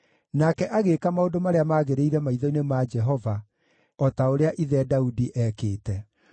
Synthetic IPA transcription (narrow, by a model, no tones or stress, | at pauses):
nakɛʔaɣekamaodomaɾeamaːɣeɾeiɾɛmaiðɔinemad͡ʒɛɦɔva | ɔtaoɾeaʔiðɛdaudiʔɛkeːtɛ